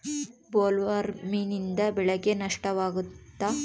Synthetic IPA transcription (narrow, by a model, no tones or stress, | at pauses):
boːlʋɐɾminind̪ɐbɛɭɐɡenɐʂʈɐʋaːɡut̪ːa